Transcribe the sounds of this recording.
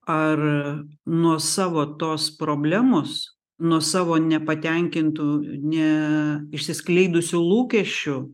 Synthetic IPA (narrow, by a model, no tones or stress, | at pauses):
ɐr | nuɔsɑːʋoːt̪oːspɾoːbʲlʲæːmoːs | nuɔsɑːʋoːnʲɛpɐt̪ʲɛŋʲkʲɪnt̪uːnʲɛɪʃʲsʲɪsklʲɛɪd̪ʊsʲʊlˠuːkʲɛʃʲt͡ʃʲʊ